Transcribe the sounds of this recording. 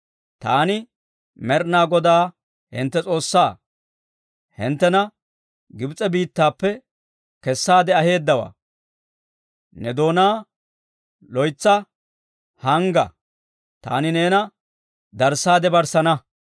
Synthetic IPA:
t̪aːnɪ | mɛɾnaːɡɔd̪aː | hɪ̰nt̪ːɛt͡sʼo̞ːsːaː | hɪ̰nt̪ːɛnɐ | ɡɪbt͡sʼɛbiːt̪ːaːpːɛ | kɛsːaːd̪ɛɐhe̞ːd̪ːɐwa̰ː | nɛd̪o̞ːnaː | lɔjt͡sːɐ | hɐŋɡɐ̰ | t̪a̰ːnɪneːnɐ | d̪ɐɾsaːd̪ɛbɐɾsɐnɐ

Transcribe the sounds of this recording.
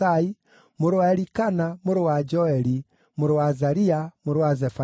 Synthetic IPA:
ai | moɾowaɛɾikanamoɾowad͡ʒɔɛɾi | moɾowazaɾiamoɾowazɛfa

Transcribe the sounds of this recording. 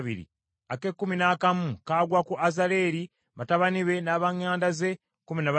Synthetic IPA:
βḭɾḭ | ake̞kːuminakamukaːɡwakuʔazale̞ɾi | βataβaniβe̞naːβaɲːaːndaze̞ | kuminaβa

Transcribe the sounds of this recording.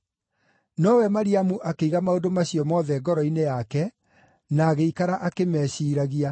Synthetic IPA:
nɔwɛmaɾiamuʔakeiɣamaodomaɕijɔmɔðɛɡɔɾɔinejakɛ | naːɣeikaɾaʔakemɛːɕiːɾaɣia

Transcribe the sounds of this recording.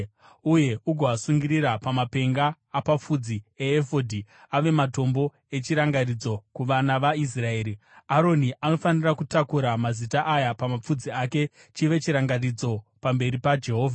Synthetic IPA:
uje̞uɡʱoasuŋɡiɾiɾapamape̞ŋɡaː | pap͡fud͡zieːfodʱiaʋe̞mato̞mbo̞ | e̞t͡ʃiɾaŋɡarid͡zo̞kuʋanaʋais̬rae̞ːɾi | aɾo̞niʔano̞fanirakutakuɾamazitaʔajapamap͡fud͡ziake̞ | t͡ʃiʋe̞t͡ʃiɾaŋɡarid͡zo̞pambe̞ɾipad͡ʒe̞ɦo̞ːvʱa

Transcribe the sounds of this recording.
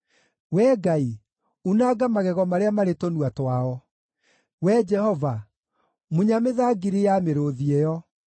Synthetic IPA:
wɛːɡai | unaːɡamaɣɛɣɔmaɾeamaɾetonuatwaɔ | wɛd͡ʒɛhɔva | muɲameðaɡiɾijameɾoðiejɔ

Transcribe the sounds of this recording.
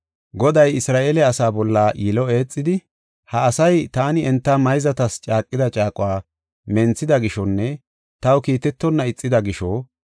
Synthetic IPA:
ɡɔd̪ɐjɪsɾaːʔeːlɛɐsaːbɔlːaːjɪlɔe̞ːt͡sʼːɪd̪ɪ | hɐːsɐjt̪aːnɪɛnt̪ːɐmɐjzɐt̪ɐst͡ʃʼaːkʼːɪd̪ɐt͡ʃʼaːkʼʊwaː | mɛnt͡sːɪd̪ɐɡɪʃɔnːɛ | t̪ɐwkiːt̪ɛt̪ːɔnːɐɪt͡sʼːɪd̪ɐɡɪʃɔː

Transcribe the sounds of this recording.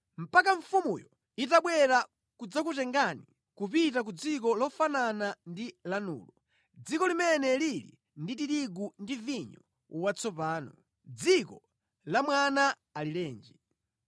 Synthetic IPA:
m̩pakaɱfumujɔ | itaɓwɛɾa | kud͡zakutɛŋɡani | kupitak̬ud͡zik̬ɔlɔfananandilanṵːlɔ | d͡zikɔlimɛnɛlilḭ | nditiɾiɡundiviɲɔ | wat͡sɔpaːnɔ | d͡zikɔ | lamwana | alilɛːnd͡ʒi

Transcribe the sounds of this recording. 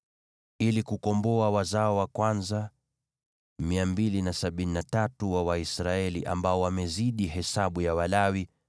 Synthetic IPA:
ilikukɔmbɔawazaɔwakwanza | miambilinasaɓininatatuwawaisɾaɛliʔa̰mbaɔwamɛziɗiɦɛsaɓujawalawi

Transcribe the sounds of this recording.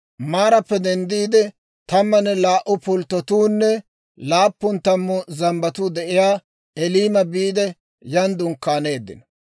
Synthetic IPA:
maːɾɐpːɛd̪ɛnd̪iːd̪ɛ | t̪ɐmːɐnːɛlaːʔʊpʊlt̪ːɔt̪uːnːɛ | laːpːʊnt̪ɐmːʊzɐmbɐt̪ud̪ɛʔɪjaː | ɛliːmɐbiːd̪ɛ | jɐnd̪ʊŋkːaːne̞ːd̪ːɪ̰nɔ

